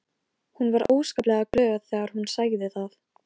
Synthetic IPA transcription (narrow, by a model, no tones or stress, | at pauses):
hunvaɾoːwskaplɛɣaklœːɣaθɛːɣaɾ̥hunsaːɣðɪθaθ